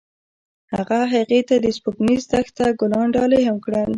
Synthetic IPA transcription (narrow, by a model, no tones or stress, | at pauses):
haɣaɦaɣet̪ad̪əspuknizd̪axt̪aɡʊlɑɳɖɑleɦamkɽəl